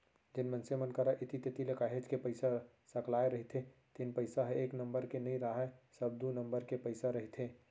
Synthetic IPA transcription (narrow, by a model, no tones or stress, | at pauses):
d̪ɪnmənsemənkəɾaʔɪt̪it̪et̪ilekaːɦed͡ʒkepəɪsa | səklaːeɾəɦit̪ʰet̪inpəɪsaɦɛeːknə̃mbəɾkenəĩɾaɦasəb̚d̪unə̃mbəɾkepəɪsaɾəɦit̪ʰɦe